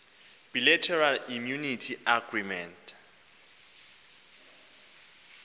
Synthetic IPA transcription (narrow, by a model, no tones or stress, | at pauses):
b̥ilɛtʰɛralimjunitʰiaɡrimɛntʼ